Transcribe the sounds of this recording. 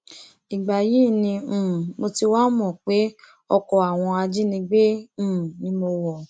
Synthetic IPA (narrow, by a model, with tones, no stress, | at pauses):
i˨ɡ͡ba˨ji˨˦˨nĩ˧ũ˨mo˧ti˧wa˦mɔ̃˨k͡pe˨˦ | ɔ˧kɔ˨a˨w̃ɔ̃˧a˧d͡ʒi˦nĩ˧ɡ͡bẽ˦˨nĩ˨˦mo˧wɔ˨